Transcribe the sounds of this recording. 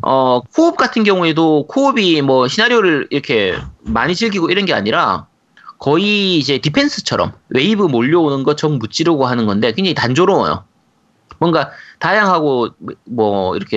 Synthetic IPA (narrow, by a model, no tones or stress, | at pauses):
ʌkʰoːp̚k͈atʰɯnɡjʌŋue̞dokʰoːbimwʌɕʰinaɾjoɾɯɭiɾʌkʰe̞maɲit͡ɕiɭɡiɡoiɾʌnɡe̞a̰ɲiɾa̰ | kʌiːd͡ʑe̞tipʰe̞nsʰɯ̥t͡ɕʰʌɾʌ̰mwe̞ibɯmoʎːʌonɯnɡʌt̚t͡ɕʌmːut͡ɕ͈iɾʌɡoɦanɯnɡʌnde̞keŋd͡ʑeitand͡ʑoɾoʌ̰jo̰ | mwʌnɡatajaŋɦaɡomwʌḭɾʌkʰe